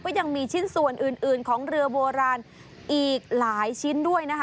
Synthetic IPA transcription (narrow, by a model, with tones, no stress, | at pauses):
kɔː˥˩ja˧ŋmiː˧t͡ɕʰi˦˥˩nsu˨˩ənʔɯ˨˩nʔɯː˨˩nkʰɔː˩˦ŋɾɯ˧ɐboː˧ɾaː˧n | ʔiː˨˩k̚laː˩˦jt͡ɕʰi˦˥ndu˥˩əjna˦˥kʰ